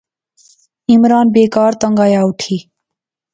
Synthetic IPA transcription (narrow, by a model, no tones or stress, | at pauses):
ɪmɾaːnbeːkaːɾt̪əŋɡaːjaːuʈʰiː